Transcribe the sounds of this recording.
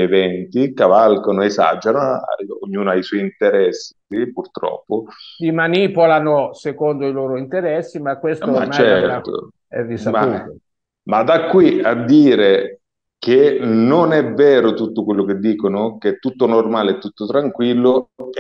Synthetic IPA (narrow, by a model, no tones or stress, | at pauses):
evɛnt̪ikavalkonoesa̰d͡ʒanoa̰oɲːuːnʊajswɔjint̪eɾɛs | ipurt̪ɾɔ̰pːʊd̪imanipolanosekond̪oiloːɾoint̪eɾɛsːimakːwest̪omat͡ʃɛɾt̪o̰ | ɛ̰risma | mad̪akːwiad̪ːiːɾe | k̟enonɛvːɛːɾʊt̪ut̪ːʊkwelːʊked̪ːiːkonʊket̪ːut̪ːʊnormaːleɛt̪ːut̪ːʊt̪ɾaŋkwilːʊ